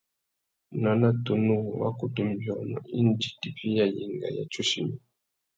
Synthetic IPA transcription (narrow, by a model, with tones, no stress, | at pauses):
na˨na˦to˨nu˦ɣwa̰˦ku˨tu˦m˦˨bjɔ˨nɔ̰˨i˦n˦d͡ʒi˨ti˨pi˦ja˨ji˨ŋɡa̰˨ja̰˨t͡ʃu˦ʃi˨mi˨